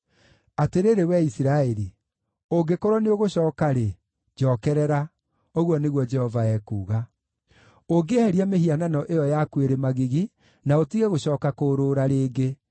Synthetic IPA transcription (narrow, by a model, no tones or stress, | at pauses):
ateɾeɾewɛisiɾaeɾi | oɡekoɾwɔneoɣoɕɔːkaɾe | d͡ʒɔːkɛɾɛɾa | oɣwɔneɣwɔd͡ʒɛhɔvaɛkuːɣa | oɡehɛɾiameɦiananɔʔejɔjakweɾemaɣiɣi | naotiɣɛɣoɕɔːkakoːɾoːɾaɾeːɡe